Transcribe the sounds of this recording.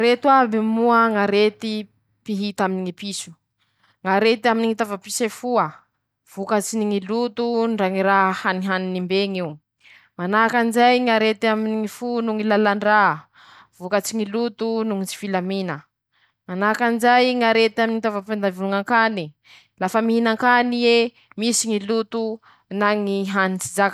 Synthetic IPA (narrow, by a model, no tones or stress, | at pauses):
ɾet̪wabimuəŋaɾet̪i | piɦit̪aminiŋipisu̥ | ŋaɾet̪iaminiŋit̪avapisefuə | v̥ukət͡siniŋilut̪uɳɖ͡ʐaŋiɾahaniɦaninimbeŋiw | manakanizajŋaɾet̪iaminiŋifunuŋilalaɳɖ͡ʐa | v̥ukət͡siŋilut̪unuŋit͡si̥filaminə | manakanzajŋaɾet̪aminiŋit̪avapand̪avuluŋaŋkani | lafəmiɦinaŋkanie | misiŋilut̪u | naŋiɦanit͡sid͡zak